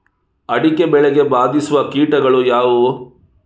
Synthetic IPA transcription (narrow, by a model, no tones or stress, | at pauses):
ɐɽikebɛɭeɡe̞baːd̪isuʋɐkiːʈɐɡɐɭujaːʋu